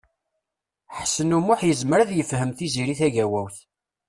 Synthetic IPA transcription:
ħəsːənumʊħjəzməɾðjəfhəmθiziɾiθæʝæwæwθ

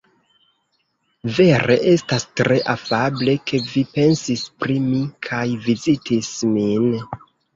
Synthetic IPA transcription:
ve̞ɾe̞̰ʔe̞stastɾe̞ʔafable̞kʰe̞vipe̞nsispɾimikʰajvizitʰismin

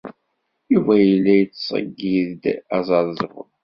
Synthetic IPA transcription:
ivæjəlːæjət͡sːsˤə̰ɡːiðd̪æzˤɑðˤzˤvʊ̰l

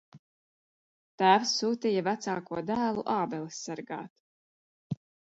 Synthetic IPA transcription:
t̪æːvsːuːt̪ijavæt̪saːkuɔd̪æːlˠuʔaːbɛlˠisːaɾɡa̰ːt̪

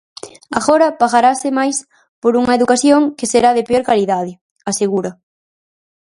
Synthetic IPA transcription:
aɣoɾɐpaɣaɾasɪmajs | poɾuŋɐeðukaθjoŋkɪseɾaðepeoɾkaliðað̞ɪ | aseɣuɾɐ

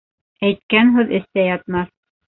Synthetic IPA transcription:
æjt̪kænɦʉðɘ̆st̪æjɑt̪̚mɑθ

